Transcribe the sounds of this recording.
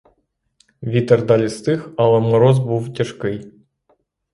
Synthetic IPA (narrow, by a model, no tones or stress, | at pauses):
ʋʲit̪ɐrd̪ɑlʲist̪ɨxɐlˠɛmɔɾɔzbuwtʲɐʃkɪj